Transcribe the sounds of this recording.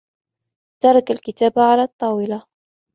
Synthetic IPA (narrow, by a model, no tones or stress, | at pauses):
t̪ɑɾˤɑkalkɪt̪aːbʕalaːt̪ˤːɑːwɪla